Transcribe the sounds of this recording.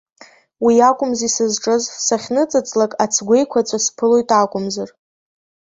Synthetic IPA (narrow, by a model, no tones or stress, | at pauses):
wiakʷʼʊmzisɨzʈ͡ʂʼɨzsaχʲnɨt͡sʼat͡sʼlakʼat͡sʰɡʷe̞jkʷʰat͡sʷʰaspʰɨlo̞jtʼakʷʼʊmzar